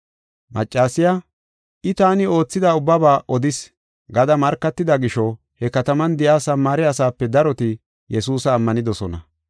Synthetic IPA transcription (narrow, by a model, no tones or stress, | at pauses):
mɐ̰t͡ʃʼːaːsɪja | ʔɪt̪aːnɪo̞ːt͡sːɪd̪aʊbːɐbaːʔɔd̪ɪs | ɡɐd̪ɐmɐɾkːɐt̪ːɪd̪ɐɡɪʃɔ | hɛkɐt̪ɐmɐnd̪ɪjaːsɐmːaːɾɛɐsaːpːɛd̪ɐɾɔt̪ɪ | jɛsuːsɐːmːɐnɪd̪ɔsɔnɐ̰